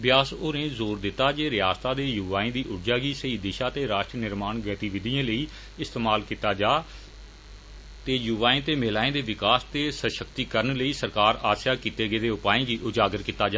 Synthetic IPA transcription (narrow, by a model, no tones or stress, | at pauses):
ʋjaːsoːnẽːzoːɾd̪ɪt̪ːaːd͡ʒeːɾɪjaːst̪ãːd̪eːjuʋaːẽːd̪iːʔʊʈʰd͡ʒaːɡiːsəiːd̪ɪʃaːt̪eːɾaːʃʈɾinɪɾmaːnɡət̪iːʋɪd̪ijãːləiː | ɪst̪eːmaːlkiːt̪aːd͡ʒaː | t̪eːjuʋaːẽːt̪eːmeːlaːẽːd̪eːʋɪkaːst̪eːsəʃəkt̪iːkəɾənləiːsəɾkaːɾaːsjaːkiːt̪eːɡeːd̪eːʊpaːẽːɡiːʔʊd͡ʒaːɡəɾkiːt̪aːd͡ʒaː